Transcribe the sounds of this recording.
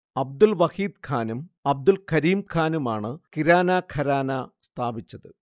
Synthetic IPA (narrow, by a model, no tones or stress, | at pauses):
ɐb̚d̪ulʋɐhiːd̪̚kʰaːnumɐb̚d̪ulkʰɐɾiːmkʰaːnumaːɳɨkiɾaːnaːkʰɐɾaːnast̪ʰaːbit͡ɕːɐðɨ